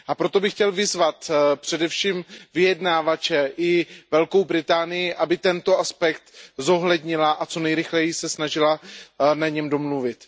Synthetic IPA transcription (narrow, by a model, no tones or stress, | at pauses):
ʔapɾot̪o̞bɪxcɛlvɪzvat̪pr̝̥ɛdɛfʃiːmvɪjɛdnaːvat͡ʃɛʔɪvɛlko̞wbɾɪt̪aːnɪjɪʔabɪt̪ɛnt̪o̞ʔaspɛkt̪zo̞ɦlɛd̪ɲɪlaʔat͡so̞nɛjɾɪxlɛjɪsɛsnaʒɪlanaɲɛmdo̞mluvɪt̪